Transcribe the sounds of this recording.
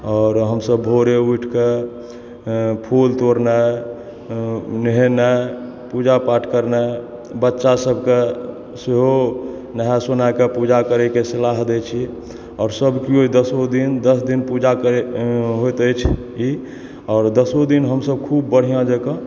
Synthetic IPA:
ɔɾɦəmsəbʱoɾeuiʈʰke | pʰult̪oɾnɛ | nəɦenɛ | pud͡ʒapaʈʰkəɾnɛ | bətːʃasəbʱke | seɦo | nəɦɛsonakepud͡ʒakəɾɛkesəlaɦd̪ɛt͡ʃʰi | ɔːɾsəbkioid̪əsod̪ind̪əsd̪inpud͡ʒakəɾɦojt̪əjt͡ʃʰ | i | ɔːɾd̪əsod̪inɦəmsəb̚kʰubːəɽ̤ijãd͡ʒekə̃

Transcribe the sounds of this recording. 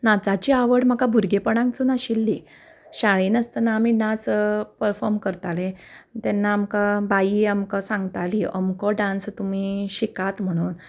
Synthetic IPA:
nat͡sat͡ɕiːaʋəɽm̤əkabʱuɾɡepəɽ̃ãŋk̚t͡sunaɕilːi | ɕaɭiːnəst̪ənaːminãt͡spəɾfɔɾmkəɾt̪alẽt̪ɛnːaːmkabaiamkasãŋɡt̪aliəmkɔɖãnst̪um̤iːɕikat̪m̤əɽ̃uːn

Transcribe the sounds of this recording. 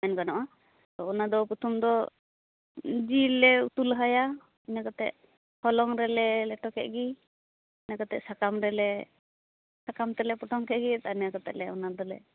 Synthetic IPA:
ɛnkanɔʔa | t̪ɔɔnad̪ɔput̪ʰumd̪ɔ | d͡ʒilːɛṵt̪ulɦaja | inakat̪ɛ̰ʔ̚ | hɔlɔŋɾɛlɛlɛʈɔkɛʔ̚ɡi | nakat̪ɛ̰ʔsakamɾɛlɛ | sakamt̪ɛlɛpɔʈɔŋkɛʔ̪̚ɡit̪anjakat̪ɛ̰ʔlɛɔnad̪ɔlɛ̰

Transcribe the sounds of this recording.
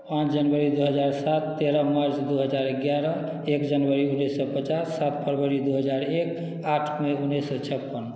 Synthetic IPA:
pãt͡ʃʰd͡ʒənbəɾid̪uɦəd͡ʒaɾsat̪ːeɾəmaɾt͡ʃd̪uɦəd͡ʒaɾeɡjaɾɔ | ekd͡ʒənbəɾiunːesːɔpət͡ʃasːat̪̚pəɾbəɾid̪uɦəd͡ʒaɾek | aʈʰmeunːesːɔt͡ʃʰəpːən

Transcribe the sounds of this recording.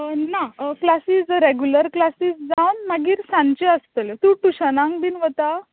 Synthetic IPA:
naklasiːsɾeɡjuləɾklasiːsd͡zawnmaɡiːɾsãnt͡ɕeəst̪əlt̪ũːʈuɕənãŋd̪iːnʋət̪a

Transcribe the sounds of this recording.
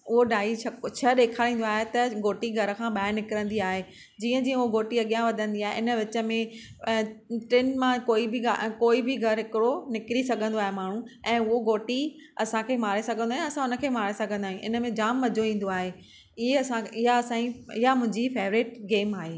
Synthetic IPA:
ʊɦoɖaːit͡ɕʰɐkt͡ɕʰɐɗeːkʰaːɽĩːnd̪oaːɦet̪ɐɡoːʈiɡʱɐɾə̆kʰãːɓaːɪɾnɪkɪɾə̃nd̪iaːɦeː | d͡ʑiːə̃d͡ʑiːə̃ʊɦoɡoːʈiɐɠijãʋɐd̪ʱə̃nd̪iaːɦeʔɪnə̆ʋɪt͡ɕə̆mẽ | ʈɪnmãkoːibʱɪɡakoːibɪɡʱɐɾɦɪkɪɽonɪkɪɾisɐɡʱə̃nd̪oaːɦemaːɳ̤̃ũɛ̃ːʊɦoɡoːʈi | ɐsãkʰeːmaːɾesɐɡʱə̃nd̪aːɦj̃ũɐsãʊnə̆kʰeːmaːɾesɐɡʱə̃nd̪aːɦj̃ĩũʔɪ̰nəmẽd͡ʑaːmːɐd͡ʑʱoʋĩːn̆d̪oaːɦe | ɪɦeɐsãɪɦaɐsãːiɪɦamʊ̃ɦɪ̃ɲd͡ʑifeːʋɾɪːʈɡeːmaːɦeː

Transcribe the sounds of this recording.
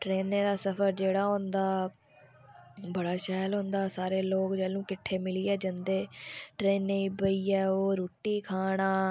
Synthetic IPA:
ʈɾeːnːẽːd̪aːsəpʰəɾd͡ʒeːɽaːɦõnd̪aː | bəɽaːʃɛːlɦõːnd̪aːsaːɾeːloːkd͡ʒɛːlũːkɪʈʰːeːmɪliːɛːd͡ʒənd̪eːʈɾeːnːeiːbəiːɛːoːɾoːʈːiːkʰaːɽ̃aː

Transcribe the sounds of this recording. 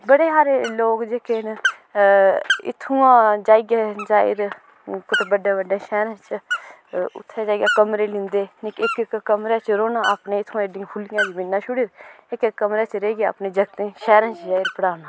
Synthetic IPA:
bəɽeːɦaːɾeloːɡd͡ʒeːkeːn | ɪ̰t̪ʰːũːãːd͡ʒaːɪɡaːd͡ʒaːɪ̰ɾ | kʊt̪bəɖaːbəɖãːʃɛːɾãːt͡ʃ | ʊ̰t̪ʰːaːd͡ʒaːiɡaːkəmɾeːlɪ̃nd̪eːnɪkɪkkəmɾeːt͡ʃɾoːnãːapnẽɪt̪ʰːũãeɖiãːpʰʊlɪjãːd̪iːmɪnːãːʃʊɽɪɾɪkkːəmɾaːt͡ʃɾeɡa̰ːpneːd͡ʒəɡt̪ẽːʃɛːɾãːt͡ʃd͡ʒaːɪɾpəɽaːnaː

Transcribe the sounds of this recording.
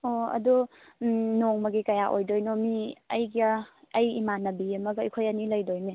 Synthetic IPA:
oɐ̰du | nɔŋmaɡikajaʔojdɔjnɔmiɐjɡaɐjimanɐbiemaɡjkʰojaniləjdojne

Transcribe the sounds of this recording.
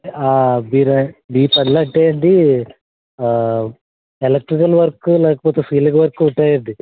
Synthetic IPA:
aːbiːɾɐbiːpɐnlɐʈːejɐɳd̪i | elɐk̚ʈɾikɐlʋɐɾkːɨleːkɐpoːt̪esiːliɣɐʋɐɾkːɨuʈːaːjiɾd̪i

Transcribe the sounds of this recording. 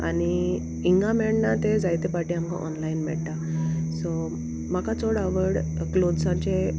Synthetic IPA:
a̰ɽ̃i | iŋɡamɛɳɖnat̪ed͡zajt̪epaʈiamka̰ʔɔ̰nlainmɛ̰ɽt̪a | so | makat͡soɽaʋəɽklod̪sãt͡ɕe

